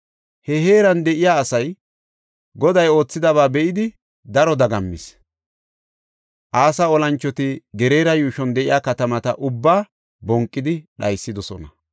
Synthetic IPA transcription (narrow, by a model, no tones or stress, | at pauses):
hɛɦe̞ːɾɐnd̪ɛʔɪjaːsɐj | ɡɔd̪ɐjo̞ːt͡sːɪd̪ɐβaːbɛʔɪd̪ɪ | d̪ɐɾɔd̪ɐɡɐmːɪs | ʔaːsaɔlɐnt͡ʃːɔt̪ɪɡɛɾe̞ːɾɐjuːʃɔnd̪ɛʔɪjaːkɐt̪ɐmɐt̪ɐ̰ʔʊbːaː | bɔŋkʼːɪd̪ɪɗɐjsːɪd̪ɔsɔ̰nɐ̰